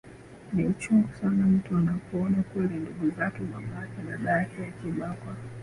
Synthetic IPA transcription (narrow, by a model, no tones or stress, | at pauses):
niut͡ʃuŋɡusanam̩tuanapuɔnakwɛlinduɡuzakɛɓamakɛnaɗaakɛakiɓakwa